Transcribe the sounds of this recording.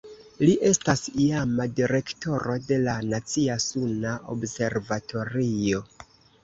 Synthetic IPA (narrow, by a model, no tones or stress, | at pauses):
liʔe̞stasiamadiɾe̞kto̞ɾo̞de̞lanat͡siasunaʔo̰bse̞ɾvatʰo̞ɾio̞